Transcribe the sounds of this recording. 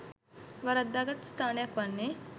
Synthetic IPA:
ʋɐɾat̪̚d̪aɡət̪st̪ʰaːnejɐkʋanːe

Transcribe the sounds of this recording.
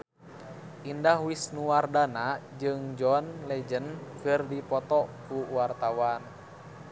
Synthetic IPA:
ʔindahwisnuwardanad͡ʒɨŋd͡ʒɔnlɛd͡ʒənkɨrdipɔt̪ɔkuwart̪awan

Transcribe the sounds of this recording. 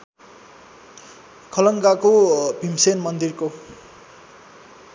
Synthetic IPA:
kʰʌlʌŋɡakobʱimsenmʌnd̪irko

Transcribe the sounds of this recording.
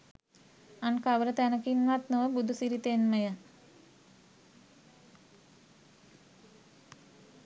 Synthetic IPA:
ankaʋəɾət̪ænəkinʋat̪nəʋəbud̪ʱusiɾit̪enməjə

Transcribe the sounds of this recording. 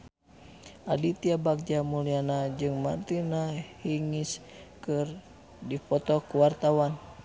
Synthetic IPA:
ʔadit̪iabak̚d͡ʒamulianad͡ʒɨŋmant̪inahiŋis | kɨr | dipɔt̪ɔkuwart̪awan

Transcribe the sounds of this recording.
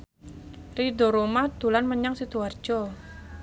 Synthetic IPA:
ridɔ̤ɾomad̪̥ṳlanməɲaŋsit̪uard̥d͡ʒ̥ɔ

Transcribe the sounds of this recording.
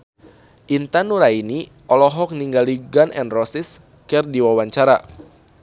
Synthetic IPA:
ʔint̪anuɾaini | ʔɔlɔɦɔk̚niŋɡaliɡanɛ̰nrɔsis | kɛrdiwawaɲt͡ʃaɾa̰

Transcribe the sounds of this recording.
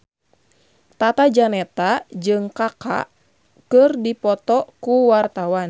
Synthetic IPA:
t̪at̪ad͡ʒanɛt̪ad͡ʒɨŋkaka̰ | kɨrdipɔt̪ɔkuwart̪awan

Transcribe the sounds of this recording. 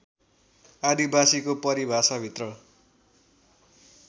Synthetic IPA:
ad̪ibasikopʌɾibʱasʌbʱit̪rʌ

